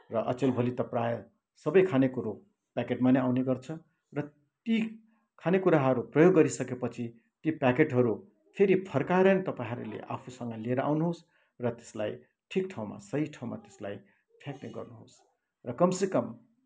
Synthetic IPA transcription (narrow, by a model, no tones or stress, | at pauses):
rʌʔʌ̰t͡selbʱolit̪ʌprajʌ | sʌbʌjkʰanekuɾo | pakeʈmaneawneɡʌrt͡sʰʌ | rʌ | t̪i | kʰanekuɾaɦʌɾuprʌjoɡːʌɾisʌkepʌt͡sʰi | t̪ipakeʈɦʌɾu | pʰeɾipʰʌrkaɾʌnet̪ʌpaiɦʌɾṵlḛʔa̰pʰusʌŋɡʌlieɾʌa̰wnuɦos | rʌt̪e̥sla̰j | ʈʰikʈʰaw̃ma̰sʌɦiʈʰaw̃ma̰t̪e̥slaj | ʈʰjakneɡʌ̰rnuɦo̰s | rʌkʌmsekʌm